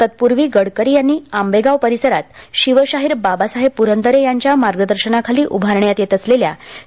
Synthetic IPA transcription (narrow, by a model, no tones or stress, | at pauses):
t̪ət̪̚puɾʋiːɡəɽkəɾiːjanːiːambeɡaʋpəɾisəɾat̪ɕiʋəɕaɦiːɾbabasaɦepuɾənt̪əɾejaɲt͡ɕjamaɾɡəd̪əɾɕənakʰaliːʔubʱaɾɳjat̪jet̪əslelja̰